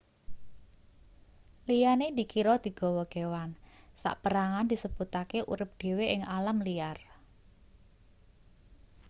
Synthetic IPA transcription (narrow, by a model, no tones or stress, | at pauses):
lijaned̪i̤kiɾɔd̪̥i̤ɡ̥ɔ̤wɔɡ̥ewansa̰ʔpəɾaŋand̪i̤səb̥ut̪akeʔṵɾɪp̚d̪̥e̤weʔɪŋalamlijar